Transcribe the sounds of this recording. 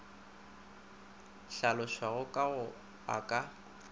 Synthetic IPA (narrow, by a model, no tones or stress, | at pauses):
ɬalɔʃwaɣʊkʼaɣʊ | akʼa